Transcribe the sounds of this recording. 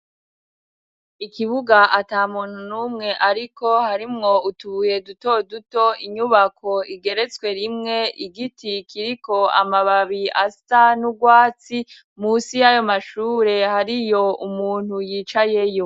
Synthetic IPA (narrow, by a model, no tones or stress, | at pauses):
ikiβuɡaʔataːmuːn̥unuːmŋe̞ʔaɾiko̞haɾimŋo̞utuβuje̞duto̞duto̞iɲuβakʰo̞iɡe̞ɾe̞t͡swe̞ɾimŋe̞ʔiɡitikiɾiko̞a̰maβaβiastanuɡwaːt͡si | muːsijajo̞maʃuːɾe̞haɾijo̞umuːn̥hujiːt͡ʃaje̞jo̞